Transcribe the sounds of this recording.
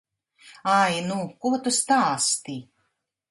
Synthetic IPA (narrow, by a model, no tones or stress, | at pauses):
ajnukuɔt̪ust̪aːst̪i